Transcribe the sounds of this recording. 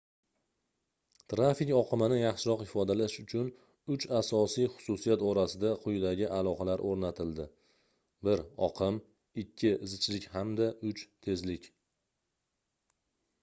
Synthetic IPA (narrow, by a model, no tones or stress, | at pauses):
t̪ɾafɪkʲɒqʰɨmanɪjɑχʃɪɾɒqhɪfɒd̪alaʃʊt͡ʃʰʊn | ʊt͡ʃasɒsijχʊ̥sʊsijat̪ɒɾasɪd̪aqʰʊjd̪aɡʲɪʔalˠɒqɑlaɾʔoɾnat̪ʰɪld̪ɪ | bɪɾɒ̰qʰɪm | ɪkʲʰːɪɪzɪt͡ʃlɪkʲhamd̪aʔʊt͡ʃt̪ʰe̞zlɪkʲ